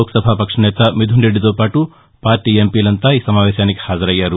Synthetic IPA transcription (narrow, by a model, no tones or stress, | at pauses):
oːkɐ̥sɐbʱaːpɐkʂɐnɛːt̪ɐmid̪ʱuɳɖeɖit̪̬oːpaːʈu | paːɾʈiːempiːlɐnt̪aːiːsɐmaːʋɛːʃaːnike̥haːd͡ʒɐɾɐjːaːɾu